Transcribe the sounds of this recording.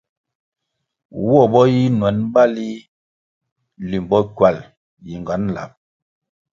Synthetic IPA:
wɔ˦˨bɔ˦ji˦nwɛ˨˦n˦ba˦li˦ | li˨m˨bɔ˦kwa˨l | ji˨ŋ˨ɡa˨˦n˦la̰˨p̚

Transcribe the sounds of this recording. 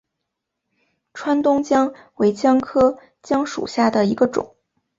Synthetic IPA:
ʈ͡ʂʰwa˥nt̪ʊ˥ŋt͡ɕjɑ˥ŋwe˧˥ɪt͡ɕjɑ˥ŋkʰɤ˥ | t͡ɕjɑ˥ŋʂṵ˨˩ɕja˥˩d̪ə˩i˧˥ɡə˧ʈ͡ʂʊ̰˨˩˦ŋ

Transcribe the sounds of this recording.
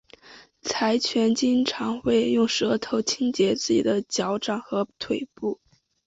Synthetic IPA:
t͡sʰa˧˥ɪt͡ɕʰɥɛ˧˥nt͡ɕi˥ŋʈ͡ʂʰɑ˧˥ŋxwe˥˧ɪjʊ˥˩ŋʂɤ˧˥t̪ʰo˧˥ʊt͡ɕʰi˥ŋt͡ɕjɛ˧˥t͡sɹ̩˥˩t͡ɕḭ˨˩d̪ə˦t͡ɕjɑ˧˥ʊʈ͡ʂɑ˨˩ŋxɤ˧˥t̪ʰwe˨˩ɪpu˥˩

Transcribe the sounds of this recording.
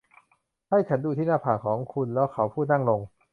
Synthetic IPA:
ha˥˩jt͡ɕʰa˦˥nduː˧t̪ʰiː˥˩naː˥˩pʰaː˨˩kʰɔː˩˦ŋkʰu˧nlɛː˦˥wkʰa˦˥wpʰuː˥˩t̪̚na˥˩ŋlo˧ŋ

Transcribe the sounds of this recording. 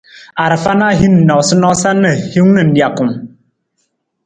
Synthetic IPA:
a˨ɾə˨fa˦na˦ɦi˦n̩˨nɔ˨sɨ˦nɔ˦sa˦nə˨hu˦ŋnɨ˨n̩˨dja˨ku˨m

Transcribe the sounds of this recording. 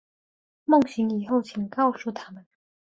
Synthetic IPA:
mʊ˥˩ŋsi˨˥ŋjiː˨˩ho˥˧wt͡sʰi˨˩ŋkɑ˥˧wsu˥˧t̪ʰaː˥mɐ˨n

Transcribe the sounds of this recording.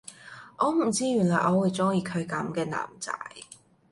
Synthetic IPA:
ʔɔː˨˧m̩˨˩t͡siː˧˥jyː˨˩nlɔː˨˩ʔɔː˨˧wu˨˧jt͡sʊ˥ŋjiː˧kʰɵ˨˧ɥkɐ˨˥mkɛː˧na̰ː˨˩mt͡sa̰ː˧˥j

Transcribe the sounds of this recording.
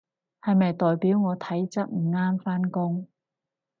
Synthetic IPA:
hɐ˨jmɐ˨jt̪ɔː˨jpiː˨˥wŋɔː˨˧t̪ʰɐ˨˥jt͡sɐ˥t̚m̩˨˩ŋaː˥mfaː˥nkʊ˥ŋ

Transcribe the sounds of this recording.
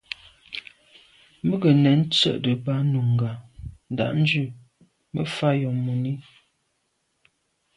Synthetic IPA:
mbə˦ɡə˨nɛ˨˦n̩˦t͡sə̰˦ʔdə˨ba˦nu˨ŋ˨ɡa˨n̩˨da̰˨ʔn̩˦d͡ʒʉ˦˨ | mə˦fa˦jɔ˨mu˨ni˦

